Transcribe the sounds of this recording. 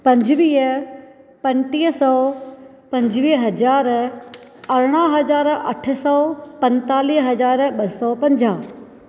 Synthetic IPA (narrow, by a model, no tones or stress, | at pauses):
pɐ̃ɲd͡ʑʋiːɦə | pɐ̃nʈiːɦsɔː | pɐ̃ɲd͡ʑʋiːɦɐzaːɾ | ɐɾɽ̃aɦɐzaːɾɐ̰ʈʰsɔːpɐ̃nt̪aːliːɦɐzaːɾɓɐsɔpɐ̃ɲd͡ʑaː